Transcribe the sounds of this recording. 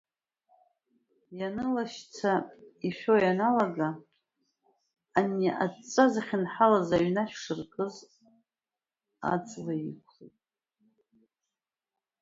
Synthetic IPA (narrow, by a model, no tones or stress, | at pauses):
janɨlaʃt͡sʰaiʃᶣojanalaɡa | niʔa̰t͡sʼazaχʲɪnħalazaɥnaʃᶣʂɨrkʼɨz | a̰t͡sʼlaikʷʰχḭtʼ